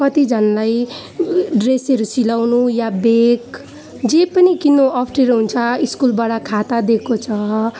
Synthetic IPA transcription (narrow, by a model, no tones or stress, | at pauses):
kʌt̪id͡zʱʌnlaj | ɖresʌɾusilawnujabek | d͡zepʌnikinːoʌpʰʈeɾoɦunt͡sʰʌiskulbaɽʌkʰat̪ad̪ekʰot͡sʰʌ